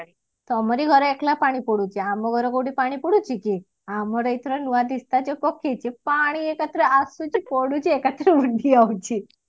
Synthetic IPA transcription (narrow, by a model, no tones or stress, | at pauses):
t̪ɔməɾiɡʱəɾeklapaɽ̃ipɔɽut͡ʃiamõɡʱəɾɔɡoɽipaɽ̃ipəɽũt͡ʃiki | amɔɾəit̪ʰɾənuʋad̪ist̪ad͡ʒepɔkʰet͡ʃʰepaɽ̃iekat̪ɾəʔasut͡ʃipɔɽut͡ʃʰiekat̪ɾəʋəɖʱiawt͡ʃi